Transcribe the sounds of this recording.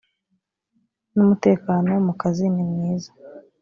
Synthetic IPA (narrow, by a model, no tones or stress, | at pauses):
numute̞ːkaːno̞mukazinimŋiːza